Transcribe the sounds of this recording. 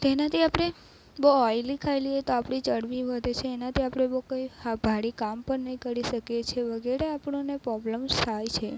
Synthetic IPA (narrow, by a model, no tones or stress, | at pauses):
t̪enat̪ʰiapɽ̃e | boɔjlikʰajliet̪oapɽ̃it͡ʃəɽʋiʋəd̪ʱet͡ʃʰeːnat̪ʰiapɽ̃ebokəjhabʱaɽikampəɳnəĩkəɾiʃəkjet͡ʃʰeʋəɡɛɾeapɳonepɾɔbləmst̪ʰajt͡ʃʰe